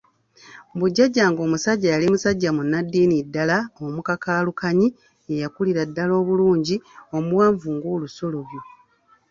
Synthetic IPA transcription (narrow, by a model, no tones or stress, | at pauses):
buɟːaɟːaŋɡo̞ːmusaɟːajalimusaɟːamunːadːiːnidːalaomukakaːlukaɲi | ejakuliɾadːalo̞ːβuluːɲɟio̞muwaːɱvuːŋɡoːluso̞lo̞βjo̞